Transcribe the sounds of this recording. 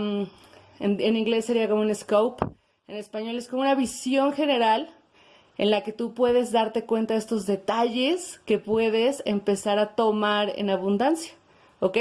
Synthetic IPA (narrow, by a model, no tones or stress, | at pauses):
nenĩŋɡle̞sːe̞ɾiako̞moune̞skowp | ene̞spaɲo̞le̞skomunaβisjo̞ŋxe̞ne̞ɾal | e̞̰nlake̞t̪upwe̞ðe̞zðaɾt̪e̞kwe̞nt̪ae̞st̪o̞zðe̞t̪aʝe̞ske̞pwe̞ðe̞se̞̰mpe̞saɾat̪o̞maɾḛnaβund̪ansjḁ | okej